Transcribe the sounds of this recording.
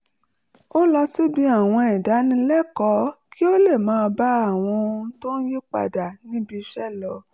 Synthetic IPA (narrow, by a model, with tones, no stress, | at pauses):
o˦lɔ˧si˦bi˧a˦˨w̃ɔ̃˧ɛ˨da˨˦nĩ˧lɛ˦kɔ˨˦ki˦o˦le˦˨mãː˨˦˧ba˦a˦˨w̃ɔ̃˧to˦n̩˦ji˦k͡pa̰˦˨da˨nĩ˨˦bi˧ʃɛ˦˨lɔ˨˦